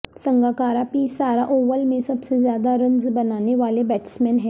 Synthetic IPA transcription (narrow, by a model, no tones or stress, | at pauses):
sə̃ŋɡaːkaːɾapiːsaːɾaʔoːʋəlmẽsəbsezjaːd̪aɾə̃nzbənaːneʋaːlebɛːʈsmɛːnɦɛː